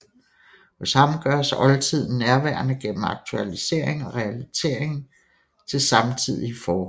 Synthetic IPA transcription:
hɔ̽shɑ̈mɡ̥ɶɐsɒ̽lt͡sʰið̞̰ˠn̩næɐʋæɐnəɡ̥en̰m̩ɑ̈ɡ̥̚t͡sʰuælise̝̰ɐ̰e̝ŋɒʁɛælit͡sʰe̝ɐ̰eŋ | t͡sʰe̝lsɑ̈mt͡sʰið̰ˠifɒː

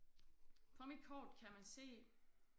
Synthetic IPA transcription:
fʰɒ̽mid̥̚kʰɒ̰ːd̥kʰæmænse̝̰ː

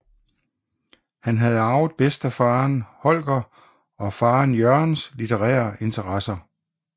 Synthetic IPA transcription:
hænɦæð̞̩ˠɑ̈ʊð̩ˠb̥esd̥æfɑ̈ːnhɒ̽l̰ɡ̥ɐ | ɒ̽fɑ̈ːnjœɐnslit͡sʰəʁɛ̰ːɐʔe̝nt͡sʰɐʁɑsɐ

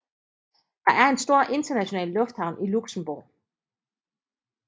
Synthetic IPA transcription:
d̥ɑ̈ʔæɐe̝nsd̥o̝ɐ̰ʔe̝nd̥ɐnæɕo̝nɛ̰ːlːɔ̽fd̥hɑ̈ʊ̰nʔiluɡ̥səm̩b̥uɐ

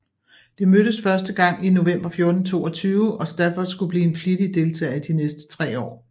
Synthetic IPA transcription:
d̥e̝møɾ̥əsfɶɐsd̥əɡ̥ɑ̈ŋ̰ino̝ʋem̰b̥ɐfjo̝ɐd̥n̩t͡sʰo̝̰ːɒ̽t͡sʰyːʊəɒ̽sd̥æɐfɒ̥sɡ̥ub̥liːe̝nfliɾ̥id̥e̝lt͡sʰɛ̰ɪid̥inesd̥ə̥t͡sʰʁɛ̰ːɒ̰ː

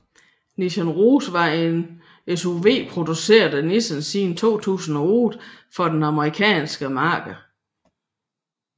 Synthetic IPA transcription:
niɕænʁuːsʋɑ̈e̝n | esuʋe̝̰ːpʰʁo̝d̥use̝̰ːɐd̥ˠənisənsiːnt͡sʰo̝̰ːt͡sʰṵːsn̩æoːðˠfɒ̽d̥enɑ̈məʁikʰɛ̰ːnsɡ̥əmɑ̈ːɡ̥

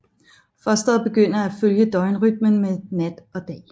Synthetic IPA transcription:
fɶɐsd̥ɒb̥e̝ɡ̥øn̰ɐæføljəd̥ɒ̽ɪnʁyd̥̚mənmeðnæd̥ɒ̽d̥ɛ̰ː

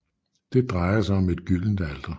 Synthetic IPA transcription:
d̥e̝d̥ʁɑ̈ɪɐsɑ̈ɪɒ̽me̝d̥ɡ̥yl̰n̩d̥æld̥ɐ

